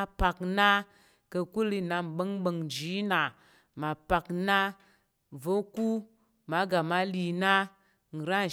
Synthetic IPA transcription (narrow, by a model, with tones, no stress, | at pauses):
a˦pa˨kna˦ | kə˧ku˦li˧na˧m̩˨ɓə˦ŋɓə˨ŋd͡ʒi˨˦na˨ | ma˨pa˨kna˦ | vo˦ku˦ | ma˨˦ɡa˨ma˦li˨na˦ | ŋ̩˨ɾa˦˨